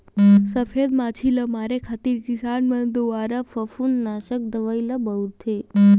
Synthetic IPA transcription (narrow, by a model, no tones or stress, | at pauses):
səfed̪mat͡ʃʰiləmaɾekʰat̪iɾkisanmənd̪uaɾəfəfunːaʃək̚d̪əʋajləbəuɾt̪ʰe